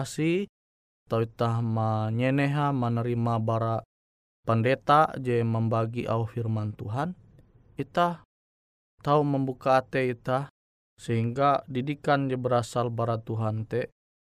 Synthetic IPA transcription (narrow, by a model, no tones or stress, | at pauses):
si | t̪auit̪ahmaɲɛnɛɦamanəɾimabaɾa | pəndet̪ad͡ʒɛməmbaɡiʔa̰uhfirmant̪uɦan | it̪ah | t̪auməmbukaːt̪ɛit̪ah | səɦiŋɡadidikand͡ʒɛbəɾasalbaɾat̪uɦant̪ɛ